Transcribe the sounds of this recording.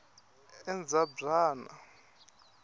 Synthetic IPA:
ɛnd͡zabraːna̰

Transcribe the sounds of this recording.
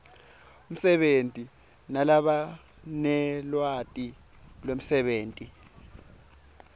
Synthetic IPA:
um̩sɛɓentʼi | nalaɓa | nɛlwatʼi | lwem̩sɛɓeːntʼi

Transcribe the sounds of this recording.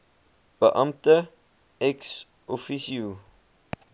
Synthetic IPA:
b̥əʔɐmtə | ɛks | ʔɔfisiu

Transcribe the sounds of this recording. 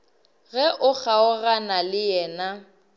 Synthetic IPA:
ɣɛʔʊk͡xʰaʊɣanalɪjɛːna

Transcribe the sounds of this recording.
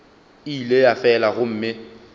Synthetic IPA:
ilejafɛlaɣʊm̩ːmɪ

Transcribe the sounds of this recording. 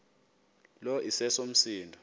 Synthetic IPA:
lɔʔisɛsom̩siːndʱɔ

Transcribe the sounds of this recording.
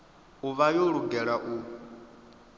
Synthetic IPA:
uβajoɺuɡɛɺaʔu

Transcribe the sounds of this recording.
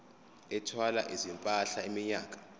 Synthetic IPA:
ɛtʰwalaʔizimpʼaɬaimiɲaːk̬ʼḁ

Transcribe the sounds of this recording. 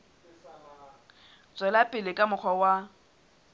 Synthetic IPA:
t͡sʼwɛlapʼɪlɪkʼamʊk͡xʰɔwa

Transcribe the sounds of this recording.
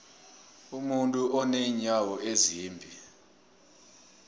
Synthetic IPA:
umuntʼuʔɔneiɲawɔeziːmbʱi

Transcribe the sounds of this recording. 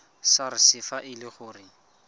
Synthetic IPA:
saɾɪsɪfaʔɪlɪχʊːrɪ

